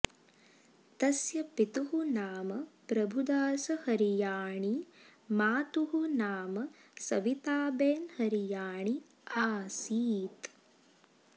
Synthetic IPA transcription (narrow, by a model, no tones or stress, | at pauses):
t̪ɐsjɐpit̪uɦunaːmɐpɾɐbʱud̪aːsɐhɐɾijaːɳimaːt̪uɦunaːmɐsɐʋit̪aːbeːnhɐɾijaːɳi | aːsiːt̪